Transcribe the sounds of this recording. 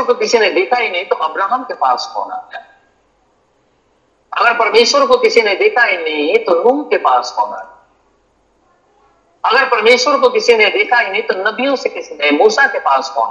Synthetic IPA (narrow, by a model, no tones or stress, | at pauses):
kokɪsined̪eːkʰaɦinɐɦĩt̪oʔɐbɾaːɦəmkepa̰ːsɦɔ̰̃ːna̰ɦɛː | ɐɡəɾpɐɾmeːʃwəɾkokɪsined̪eːkʰaɦinɐɦĩt̪oɾuːmkepaːskɔːna̰ɦɛ | ɐɡəɾpɐɾmeːʃwəɾkokɪsined̪eːkʰaɦinɐɦĩt̪onɐbijõsekɪsnemuːsakepaːskɔ̰ːn